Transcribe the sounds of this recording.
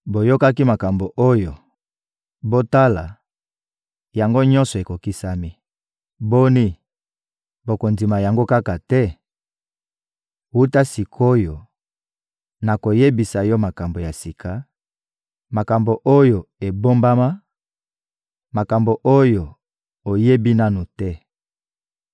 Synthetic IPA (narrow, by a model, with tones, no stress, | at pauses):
bo˨jo˦ka˦ki˦ma˨ka˨mbo˨ʔo˦jo˨ | bo˦ta˦la˨ | ja˨ŋɡo˦ɲɔ˦nsɔ˨e˨ko˨ki˦sa˦mi˦ | bo˦ni˦ | bo˨ko˨nzi˨ma˨ja˨ŋɡo˦ka˦ka˨tɛ˦ | wu˦ta˦si˨kʰo˦jo˨ | na˨ko˨je˦bi˨sa˨jɔ˦ma˨ka˨mbo˨ja˨si˨kʰa˨ | ma˨ka˨mbo˨ʔo˦jo˨e˨bo˦mba˦ma˦ | ma˨ka˨mbo˨ʔo˦jo˨ | o˨je˦bi˦na˦nu˨tɛ˦